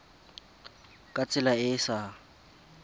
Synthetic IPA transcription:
kʼat͡sʼɪlaɪsa

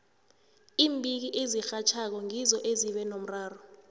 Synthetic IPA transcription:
iːmbʱik̬iʔezixat͡ʃʰak̬ɔŋizɔʔeziɓɛnom̩raːrɔ

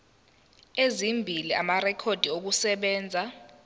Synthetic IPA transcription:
ezimbʱilia̰marɛkʰod̥ʱiok̬usɛɓɛːnd͡zʱa

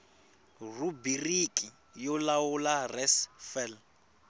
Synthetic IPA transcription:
rubirikʼi | jɔlawularɛsfɛl

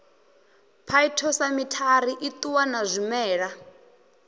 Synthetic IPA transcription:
pʰaitʰɔsamitʰaɾiʔit̪ʼuwanazʷimɛːɺa

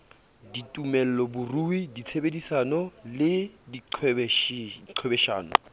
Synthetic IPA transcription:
ditʼumɛl̩lɔbʊruidit͡sʰebedisanɔlɪdiǃʰɛbɛiǃʰɛbɛʃa̰ːnʊ̰

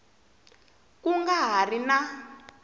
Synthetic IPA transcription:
kuŋɡaɦarina

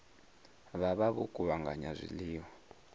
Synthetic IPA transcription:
βaβaβukʼuβaŋɡʱa̰ɲazʷḭliːwa

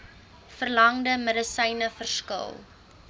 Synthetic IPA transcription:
fərlɐŋdəmədəsəjnəfərskə̰lˠ

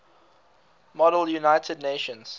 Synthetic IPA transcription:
mɔɾəlˠjunaɪtʰədneʃə̃nz̥

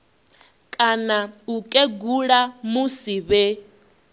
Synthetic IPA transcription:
kʼanaukʼeɡuɺamusiβɛ

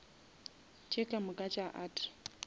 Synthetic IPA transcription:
t͡ʃʼekʼamʊkʼat͡ʃʼaʔaːtʼɪ̥

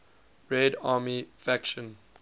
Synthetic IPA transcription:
ɹɛdaːmifækʃə̃n

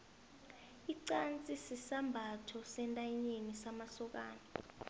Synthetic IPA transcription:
iǀant͡sʼisisambʱatʰɔsɛntʼajiɲenisamasɔk̬aːna

